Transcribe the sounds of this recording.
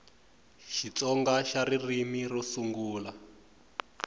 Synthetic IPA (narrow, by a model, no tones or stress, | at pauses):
ʃit͡sɔŋɡaʃaɾirimirɔsuŋɡuːla